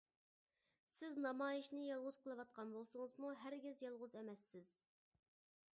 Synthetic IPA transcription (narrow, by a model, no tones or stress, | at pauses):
sɪznɑmɑːjɪʃnɪjɑlˠʁʊz̥qʰəlˠɨwɑt̪̚qʰɑnbolˠsʊŋəzmuɦæɾɡʲɪzjɑlˠʁʊzɛmɛsːɪz̥